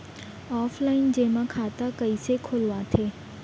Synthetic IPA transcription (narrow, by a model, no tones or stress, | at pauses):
ɔːflaind͡ʒemãkʰat̪akəisekʰolʋãt̪ʰe